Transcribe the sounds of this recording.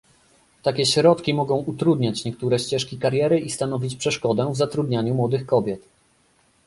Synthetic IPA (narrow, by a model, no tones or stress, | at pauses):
t̪akʲɛɕɾɔt̪kʲimɔɡɔ̃w̃ʔut̪ɾud̪ɲat͡ɕɲɛk̚t̪uɾɛɕt͡ɕɛʂkʲikaɾjɛɾɘʔist̪anɔvʲit͡ɕpʂɛʂkɔd̪ɛvzat̪ɾud̪ɲaɲumwɔd̪ɘxkɔbʲjɛt̪